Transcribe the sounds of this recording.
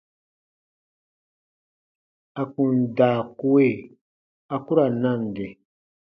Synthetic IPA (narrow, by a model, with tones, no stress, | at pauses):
a˨ku˨nda˨ku˦we˦˨ | a˨ku˦ɾa˨na˦˨n˨de˨